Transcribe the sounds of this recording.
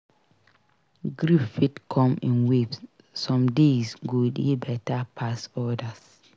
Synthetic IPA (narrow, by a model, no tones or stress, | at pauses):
ɡɹiffitkʰɔ̃mĩnwipsː | ɔ̃mdesɡudibɛtapʰasɔdas